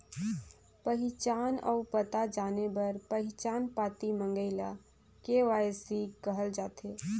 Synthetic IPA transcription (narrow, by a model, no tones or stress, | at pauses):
pəɦit͡ʃanɔ̰upət̪ad͡ʒanebəɾpəɦit͡ʃaːnpat̪imə̃ŋɡəɪla | keʋajsikəɦəld͡ʒat̪e